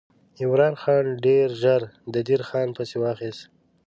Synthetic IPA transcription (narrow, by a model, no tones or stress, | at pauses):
ɪmɾɑːnxɑːnɖeɾʒaɾd̪əd̪iɾxɑːnpəsewɑːxist̪